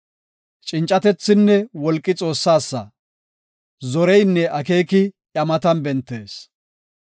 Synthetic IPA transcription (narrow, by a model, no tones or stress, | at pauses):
t͡ʃʼɪnt͡ʃʼːɐt̪ɛt͡sːɪnːɛwɔlkʼːɪt͡sʼo̞ːsːaːsːɐ̰ | zɔɾɛjnːɛʔɐke̞ːkɪʔɐmɐt̪ɐnbɛnt̪ːeːs